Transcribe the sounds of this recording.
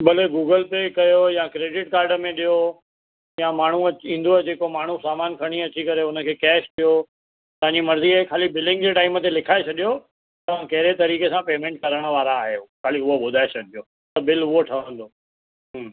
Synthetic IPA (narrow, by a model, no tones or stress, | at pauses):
bɐleɡuːɡəlpekɐjojãkɾeːɖɪʈkaːɾɖəmẽɗijo | jãmaːɳ̤uɐt͡ɕĩːn̆d̪oɦd͡ʑeːkomaːɳ̤usaːmaːnkʰɐɽ̃iɐt͡ɕikɐɾeʊnə̆kʰeːkɛːʃt̪ʰijo | t̪ɐʋ̤ãɲd͡ʑimɐɾziəkʰaːlibɪlɖɪ̃ŋɡd͡ʑeʈaːɪmət̪elɪkʰaːet͡ɕʰɐɗijo | t̪ɐʋ̤ãkɐɦɪɾet̪ɐɾiːkesãpeːmẽːɳʈ̚kɐɾəɽ̃ə̆ʋaːɾaːɦekʰaːliʊɦoɓʊd̪ʱaːet͡ɕʰɐɗʱijo | t̪ɐbɪlʊɦoʈʰɐʋ̃ə̃n̆d̪oː | ɦː